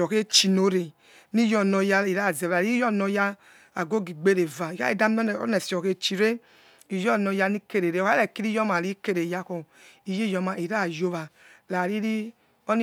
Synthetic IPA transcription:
ɔ˨ke˦t͡ʃi˧no˧ɾe˨ | ni˦jɔ˧nɔ˧ja˧i˨ɾa˦˨za˨ɾi˦ɔ˦˨nɔ˧ja˧ | a˨ɡo˦ɡi˨ɡ͡be˦ɾe˨va˨i˨ka̰˦i˦˨da˦m̰˦˨˦nɛ˨sɔ˨ke˧t͡ʃi˨ɾe˦ | i˨jɔ˦˨nɔ˧ja˧ni˦ke˧ɾe˨ɾe˨ka˦ɛ˨ki˦ɾi˦jɔ˦ma˨ɾi˦ke˦ɾe˨ja˧kɔ˧ | i˨ji˦˨jɔ˧ma˨i˨ɾa˦˨jo˧βa˨la˨ɾi˦ɾi˦ | ɔ˦ni˦

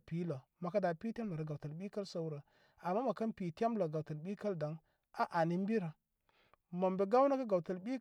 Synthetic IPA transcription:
pi˨˦lə˨ma˨ka˦da˨pi˦te˦mla˨ɾə˨ɡa˨wtə˨lɓi˦ka˦lsa˦wɾa˨ | a˨mːa˦ma˨ka˦npi˨te˦mlə˨ɡa˨wtə˨lɓi˦ka˦lda˨ŋ | a˦ʔa˨ni˦m˦bi˦ɾa˨ | ma˨mbe˨ɡa˦wna˦ka˦ɡa˨wtə˨lɓi˦

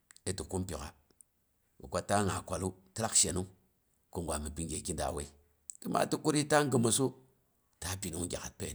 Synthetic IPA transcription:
e˦ti˨ku˦mpi˨ka̰˨ | wṵ˨kʷa˦ta˦ŋa˨kʷa˨lu˦ti˦la˦kʃe˨nu˦ŋ | ku˦ŋɡʷa˨mi˨pi˦ŋɡe˨ki˦nda̰˨we˦i˦ | ki˦ma̰˦ti˦ku˦ɾi˦ta˦ŋ˦ɡə˨mo˨so˦ | ta˦pi˨nu˦ŋ˦ɡʲa̰˨ka˨t̚pḛ˨

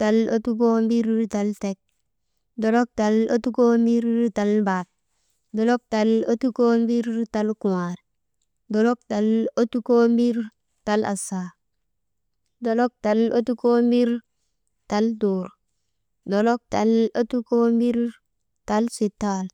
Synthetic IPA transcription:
ta˨lo˦tu˦ko˦mbi˦ɾta˨lte˦k̚ | do˨lo˦k̚ta˨lo˦tu˦ko˦mbi˦ɾta˨lba˨t̚ | do˨lo˦k̚ta˨lo˦tu˦ko˦mbi˦ɾta˦lku˨wa˨ɾ | do˨lo˦k̚ta˨lo˦tu˦ko˦mbi˦ɾ | ta˦la̰˨sa˨ | do˨lo˦k̚ta˨lo˦tu˦ko˦mbi˦ɾ | ta˨ldoː˨ɾ | do˨lo˦k̚ta˨lo˦tu˦ko˦mbi˦ɾ | ta˦lsi˨tːa˦l

